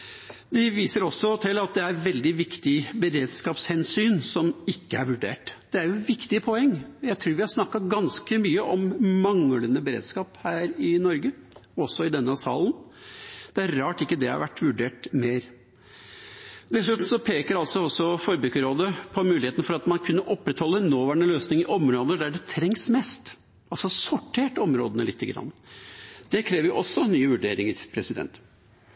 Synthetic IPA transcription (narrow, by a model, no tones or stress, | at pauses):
d̪ɪʋiːsəɾɔsːɔt̪ʰɪlːɑt̪̚d̪ɛæɾʋɛld̪ɪʋɪkt̪ɪbəɾeːd̪skɑːpshɛnsyːnsɔmɪkːəæɾʋʉɖḛːʈd̪̥ɛæɾjʊʋɪkt̪ɪəpʰɔɛŋːjæɪt̪ʰɾuːɾʋɪhɑɾʂnɑkːɑɡɑnskəmyːəʔɔmmɑŋlənəbəɾḛːd̪skɑːphæːɾɪnɔɾɡəɔsɔɪd̪ɛnːəsɑ̰ːln | d̪̥ɛæɾɾɑːʈɪkːəd̪ɛhɑ̰ɾʋæʈːʋʉɖeːʈmeːɾ | d̪ɛsʉt̪n̩sɔpʰeːkəɾɑlt̪sɔɔsːɔfɔɾbʉːkəɾoːd̪əpʰɔmʉːlɪheːt̪n̩fɔɾɑt̪mɑnkʰʉnːəʔɔpːɾɛt̪hɔlːənoːʋæːɳəløːsnɪŋəʔɔmɾoːd̪əɖ̪æɖɛt̪ʰɾɛŋsmɛst̪ | ʔɑlsɔsɔʈʰːeːʈɔmɾo̰ːd̪ənəlɪt̪ʰːəɡɾɑ̰nːəd̪̥ɛkʰɾeːʋəjʊʔɔsːɔnːyːʋʉɖeːɾɪŋəɾpʰɾɛsɪd̪ɛ̰nt̪